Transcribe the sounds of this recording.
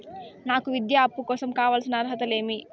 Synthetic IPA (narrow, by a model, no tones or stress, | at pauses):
naːkuʋid̪jaɐpːukɔːsɐmkaːʋaːlsinɐɐɾɦɐt̪ɐle̞ːmi